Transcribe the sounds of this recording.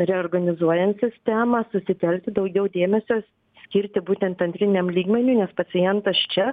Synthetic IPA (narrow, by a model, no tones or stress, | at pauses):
ɾʲɛoːrɡɐnʲɪzuɔjɛnt̪sʲɪsʲt̪ʲæːmɑːsʊsʲɪt̪ʲɛlʲk̚ʲt̪ʲɪd̪ɐʊɡʲɛʊd̪ʲeːmʲɛsʲoːs | sʲkʲɪɾʲt̪ʲɪbuːt̪ʲɛnt̪ɐnʲt̪ʲɾʲɪnʲɛmlʲiːɡmʲɛnʲuːnʲɛspɐt͡s̪ʲɪjɛnt̪ɐst͡ʃʲɛ